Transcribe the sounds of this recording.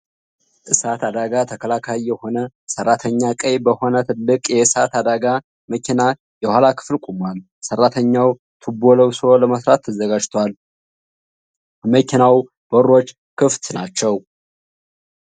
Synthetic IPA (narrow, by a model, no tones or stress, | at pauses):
ʔɨsat̪ʰad̪aɡat̪ʰəkʰəlakʰajːɛho̞nə | sərːat̪ʰəɲːakʼəjbəho̞nət̪ʰɨlːɨkʼjɛɨsat̪ad̪aɡa | məkʰina | jɛhalakʰɨ̥flkʷʼumal | sərːat̪ʰəɲːaw | t̪ʰɨbo̞ləwsoləməsɾat̪ʰːəzəɡad͡ʒt̪ʰwal | məkʰinaw | b̥əro̞t͡ʃː | kʰɨft̪nat͡ʃːɛw